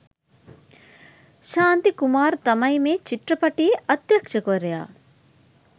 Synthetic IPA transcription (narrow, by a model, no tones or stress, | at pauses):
ʃaːnt̪ikumaːɾt̪ɐmɐjmeːt͡ʃiʈɾɐpɐʈijeʔɐt̪jɐkʃɐkoɾeja̰ː